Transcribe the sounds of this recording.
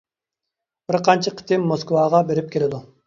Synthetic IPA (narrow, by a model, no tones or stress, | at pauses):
b̥ɪɾqʰɑnt͡ʃʰɨqʰi̥t̪ʰɪmːoskwɑʁɑbeɾɪp̚kʲʰelɪd̪u